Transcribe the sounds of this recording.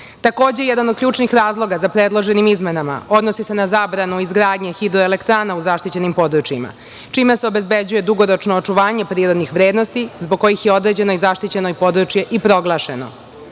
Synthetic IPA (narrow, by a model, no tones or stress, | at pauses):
t̪ako̞ːd͡ʑejɛd̪anod̪̚kʎuːt͡ʃnixɾaːzlˠo̞ɡazapɾed̪lˠo̞ʒenimizmenama̰o̞d̪no̞sise̞nazaːbɾanuizɡɾaːd̪ɲexid̪ɾoelekt̪ɾaːnauzaʃt̪it͡ɕe̞nimpo̞d̪ɾut͡ʃjima̰ | t͡ʃimeseobe̞zbed͡ʑuje̞d̪uɡoɾo̞t͡ʃnoːt͡ʂuʋaːɲe̞pɾiːɾo̞d̪nixʋɾeːd̪no̞st̪izboɡ̚ko̞jixjeo̞d̪ɾeːd͡ʑe̞noizaʃt̪it͡ɕe̞noipo̞d̪ɾut͡ʃje̞ʔipɾo̞ɡlˠaːʃeno̰